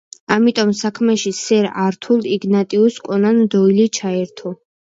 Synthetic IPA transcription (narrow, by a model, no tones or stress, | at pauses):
amit̪ʼɔmsakʰmɛʃisɛɾaɾt̪ʰulˠiɡnat̪ʼiuskʼɔnanmd̪ɔilit͡ʃʰaɛɾt̪ʰɔ